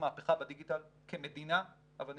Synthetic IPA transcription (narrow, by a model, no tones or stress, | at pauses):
maːpeχabediɡitalkemed̪ina | ʔaval